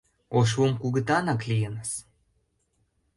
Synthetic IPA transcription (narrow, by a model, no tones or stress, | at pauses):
oʃ̬womkuɣə̆t̪ɑnɑklʲijənəs